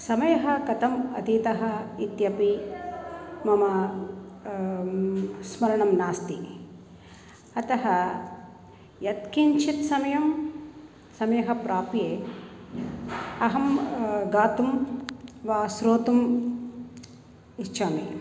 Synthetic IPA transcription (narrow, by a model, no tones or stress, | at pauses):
sɐmɐjɐɦɐkɐt̪ɐmɐ̰t̪it̪ɐɦɐ̆it̪jɐpi | mɐmɐ | smɐɾɐɳɐmnaːst̪i | ɐt̪ɐɦɐ | jɐt̪kint͡ʃʰit̪sɐmɐjɐm | sɐmɐjɐɦɐ̆pɾaːpjeː | ɐɦɐmɡaːt̪um | ʋaːsɾoːt̪um | it͡ʃaːmi